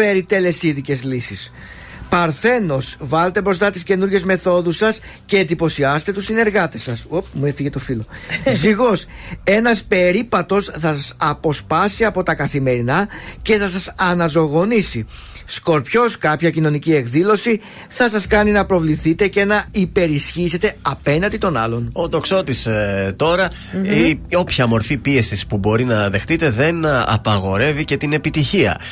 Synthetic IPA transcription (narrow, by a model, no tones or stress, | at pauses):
e̞ɾit̪e̞le̞siðice̞zlisis | pɐɾθe̞no̞svɐle̞t̪e̞bɾo̞st̪ɐt̪isce̞nuɾʝe̞zme̞θo̞ðusɐs | ce̞ːnd̪ipo̞siɐset̪e̞t̪usine̞ɾɣɐt̪e̞sɐsopmueθiʝet̪o̞filo̞ziɣo̞s | e̞nɐspe̞ɾipɐt̪o̞sθɐsɐsɐpo̞spɐsiɐpo̞t̪ɐkɐθime̞ɾinɐce̞θɐsɐsɐnɐzo̞ɣo̞nisi | sko̞ɾpço̞skɐpçɐcino̞nicie̞kðilo̞si | θɐsɐskɐninɐpɾo̞vliθit̪e̞ce̞nɐipe̞ɾisçise̞t̪e̞ɐpe̞nɐnd̪it̪o̞nɐ̰lo̞noðo̞kso̞t̪ist̪o̞ɾɐ | io̞pçɐmo̞ɾfipie̞sispubo̞ɾinɐðe̞xt̪it̪e̞ðe̞nɐ̰pɐɣo̞ɾe̞vice̞t̪ine̞pit̪içiɐ̰